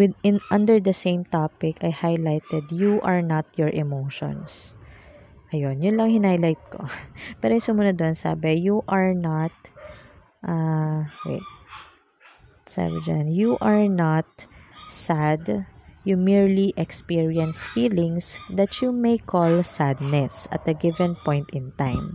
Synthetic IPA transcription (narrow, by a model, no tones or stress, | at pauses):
wɪd̪ɪnʔɐ̃nd̪ɛɹd̪ɐsẽjmt̪apɪkɐjhajlajt̪ɛd̪juʔɐɹnat̪̚jɔɹʔɛmowʃɔ̰̃ns | ʔɐjonjʊnlɐŋhɪnajlajt̪̚ko̰pɛːɾojsʊmunod̪onsa̰ːbɛjuʔɐɹnat̪̚ | ʔa | ɛ̰ | sa̰ːbɛd͡ʒa̰njuʔɐɹnat̪̚sad̪jumiɹliʔɛkspiɹiɛnsfiːlɪ̃ŋsd̪ɐt̪jumejkʰɔlsad̪̚nɛsʔɐ̰t̪̚d̪ɐɡɪvɛ̃npɔ̃jnt̪ɪ̃nt̪ãjm